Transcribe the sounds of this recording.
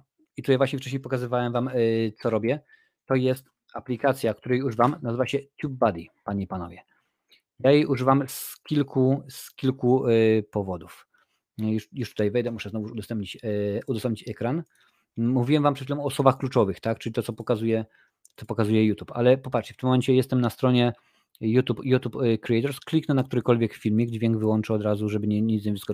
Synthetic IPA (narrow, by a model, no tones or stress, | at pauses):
it̪ut̪ajvwaɕɲɛft͡ʂɛɕ̬ɲejpɔkazɘvawɛmvamt̪sɔɾɔbʲjɛ | t̪ɔjɛst̪ | aplʲikat̪sʲjak̚t̪uɾɛjuʐɘvamnazɘvaɕɛt͡ɕʲub̚bad̪ipaɲipanɔ̰vʲjɛ | jajejuʐɘvamskʲilkuskʲilkupɔvɔd̪uf | juʂjuʂt̪u̥t̪ajvɛjd̪ɛmuʂɛznɔvujuud̪ɔst̪ɛmpɲit͡ɕud̪ɔsɛmp̚ɲit͡ɕɛkɾan | muvʲiwɛmvampʂɛt̪fʲilɔmɔːsɔbaxklut͡ʂɔvɘxt̪akt͡ʂɘlʲit̪ɔt̪ɔpɔkazujɛ | t̪sɔpɔkazujɛjut̪upa̰lɛpɔpatt͡ʂʂt͡ɕɛft̪ɘmːɔmɛɲt͡ɕɛjɛst̪ɛmnast̪ɾɔɲɛ | jut̪upjut̪upkɾiɛjt̪ɔɾsklʲiknɛnakt̪uɾɘkɔlvʲjɛkffʲilmʲjiɡd͡ʑvʲjɛŋɡvɘwɔnt͡ʂɛɔd̪ɾazuʐɛbɘɲɛɲit̪ɲɛvzɡɔ